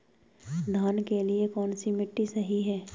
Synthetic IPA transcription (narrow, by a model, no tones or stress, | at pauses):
d̪ʱaːnkeliekɔːnsimɪʈːisɐɦiɦɛː